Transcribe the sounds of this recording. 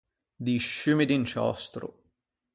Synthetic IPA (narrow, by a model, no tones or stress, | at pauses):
d̪iʃːymid̪int͡ʃɔ̰st̪ɾʊ̰